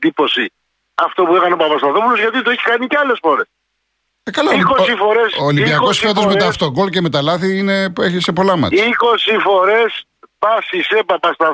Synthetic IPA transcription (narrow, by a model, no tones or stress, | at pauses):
d̪ipo̞si | ɐft̪opuekɐneopɐpɐst̪oɐnθɾopulozʝɐt̪it̪oeçi̥kɐniceɐle̞sfo̞ɾes | ekɐloikosifo̞ɾesoːlibiɐko̞sçiɐt̪ozmeɐft̪oɡo̞lceme̞t̪ɐlɐθiinepueçisepo̞lɐmɐ̰iko̞sifo̞ɾe̞s | pɐsisepɐpɐst̪ɐ